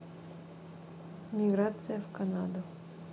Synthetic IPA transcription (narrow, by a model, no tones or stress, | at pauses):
mʲiɡɾat̪sijafkanad̪o